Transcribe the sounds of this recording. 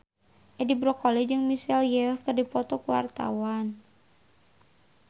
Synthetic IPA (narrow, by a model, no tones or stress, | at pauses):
ʔɛdibɾɔkɔlɛd͡ʒɨŋmisɛljəhkɨrdipɔt̪ɔkuwa̰rt̪a̰wan